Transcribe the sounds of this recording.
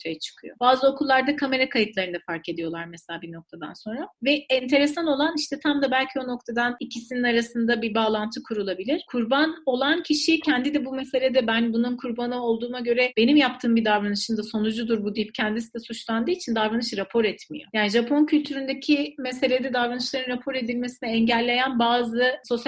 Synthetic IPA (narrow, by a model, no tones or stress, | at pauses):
ot̪ʰejat͡ʃʰɯ̥kʰɯjo̞̰baːzɯo̞kʰulˠːaɾd̪akʰame̞ɾakʰajɯt̪lˠaɾɯnd̪afaɾke̞d̪ijo̞lˠaɾmɛselʲaːbino̞k̚t̪ʰad̪a̰nso̞nɾavɛɛnt̪ʰe̞ɾesano̞lˠaniʃt̪ʰɛt̪ʰamd̪abælʲcʰio̞no̞kt̪ʰad̪anicʰisininaɾasɯnd̪abibaːlˠant̪ʰɯkʰuɾulˠabilʲiɾ̥kʰuɾbano̞lˠancʰiʃicʰɛnd̪id̪ɛbume̞se̞lʲed̪ɛbænbununkʰuɾbanɯo̞lˠd̪uːmaɟø̞ɾɛbe̞nimjapt̪ʰɯːmbid̪avɾanɯʃɯnd̪aso̞nud͡ʒud̪uɾbud̪ijp̚cʰɛnd̪isid̪ɛsut͡ʃlˠand̪ɯːit͡ʃʰind̪avɾanɯʃɾapʰo̞ɾɛt̪mḭjo̞̰jaːniʒapʰo̞ncʰylʲt̪ʰyɾynd̪ecʰimese̞lʲed̪ɛd̪avɾanɯʃlˠaɾɯnɾapʰo̞ɾe̞d̪ilʲmesinɛɛɲɟælʲːe̞jænbaːzɯso̞sj